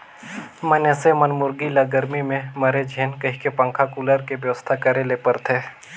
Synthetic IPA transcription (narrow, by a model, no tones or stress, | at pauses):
məneːsemənmʊɾɡilɐɡəɾmimẽməɾed͡ʒʱeːnkɐɦikepə̃ŋkʰakuləɾkebjəʋəst̪ʰakəɾelepəɾt̪ʰeː